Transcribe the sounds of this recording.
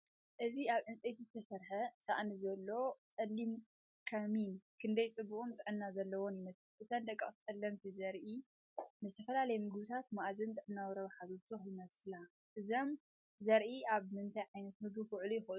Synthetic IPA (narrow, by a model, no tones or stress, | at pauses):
ʔɨziaβʕɨnt͡sʼet̪izɨt̪ʰɐsɐɾħɐsa̰ʔnizɐlːo̞t͡sʼɐlːim | kʰaminkʰɨnd̪ɐjt͡sʼɨbːukʼunt̪ʼɨʕɨnːazɐlːɐwonjɪmɐslʔɨt̪ʰɐnd̪ɐkʼːɐχʼt͡sʼɐlːɐmt̪ʰizɐɾʔi | nɨzɨt̪ʰɐfɐlalɐjmɨɡɨβɨt̪ʰat̪maʔzɨnt̪ʼɨʕɨnːawɾɐβɐħazot̪ʰɨxjɪmɐsɨla | ʔɨzom | zɐɾʔiaβmɨnt̪ʰajʕajnɐt̪̚mɨɡfɨʕlujɪxʔ